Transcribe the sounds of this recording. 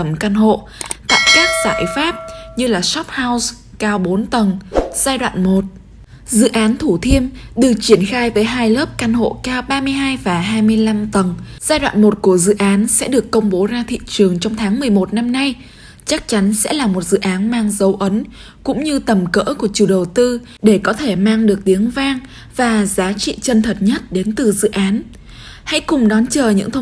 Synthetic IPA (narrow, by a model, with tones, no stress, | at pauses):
ə˧˩mkaː˧nɦo̰˧˨ | t̪a̰ː˧˨jkaː˦˥k̚z̥aː˧˩jfaː˦˥p̚ɲɨ˧laː˨˩sɔ˦˥p̚haː˧ws | kaː˧wɓo˨˦nt̪ə˨˩ŋz̥aː˧jɗwa̰ː˧˨nmo˨˩t̚ | zɨ̰˧˨ʔaː˨˦nt̪ʰu˧˩t̪ʰi˧əmɗɨ˨˩t͡ɕi˧˩ənxaː˧jvəː˨˦jɦaː˧jləː˦˥p̚kaː˧nɦo̰˧˨kaː˧wɓaː˧mɨ˧əjɦaː˧jvaː˨˩ɦaː˧jmɨ˧əjla˧mt̪ə˨˩ŋz̥aː˧jɗwa̰ː˧˨nmo˨˩t̚ku˧˩əzɨ̰˧˨ʔaː˨˦nsɛ̰˧˥ɗɨ˨˩əkːə˧wŋ͡mɓo˨˦zaː˧t̪ʰḭ˧˨t͡ɕɨ˨˩əŋt͡ɕɔ˧wŋ͡mt̪ʰaː˨˦ŋmɨ˨˩əjmo˨˩t̚na˧mna˧j | t͡ɕa˦˥k̚t͡ɕa˨˦nsɛ̰˧˥laː˨˩mo˨˩t̚zɨ̰˧˨ʔaː˨˦nmaː˧ŋzə˨˦wʔə˨˦n | kʊ̰˧˥ŋ͡mɲɨ˧t̪ə˨˩mkə̰ː˧˥ku˧˩ət͡ɕu˧˩ɗə˨˩wt̪ɨ˧ | ɗe˧˩kɔ˨˦t̪ʰe˧˩maː˧ŋɗɨ˨˩ək̚t̪i˨˦əŋvaː˧ŋ | vaː˨˩zaː˨˦t͡ɕḭ˧˨t͡ɕə˧nt̪ʰə˨˩t̚ɲə˦˥t̚ɗe˨˦nt̪ɨ˨˩zɨ̰˧˨ʔaː˨˦n | ha̰˧˥jkʊ˨˩ŋ͡mɗɔ˨˦nt͡ɕəː˨˩ɲɨ̰˧˥ŋt̪ʰə˧